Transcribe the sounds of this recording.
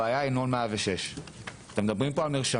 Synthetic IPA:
aːjainolmeaveʃe̞ʃat̪emed̪abʁimpo̞almeʁʃa

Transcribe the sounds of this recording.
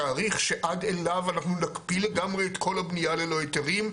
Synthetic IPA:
aːʁiχʃe̞ʔadelavanaχnunakpile̞ɡamʁeːt̪kʰo̞labnijale̞lo̞et̪eʁim

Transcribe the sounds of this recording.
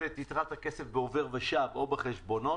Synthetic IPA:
et̪it̪ʁat̪hakesefbeove̞ʁbeʃavo̞beχeʃbo̞no̞

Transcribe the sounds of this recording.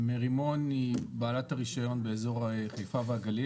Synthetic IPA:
meʁimo̞nibaːlataʁiʃajo̞nbe̞ezo̞ʁaχejfaveaɡalj

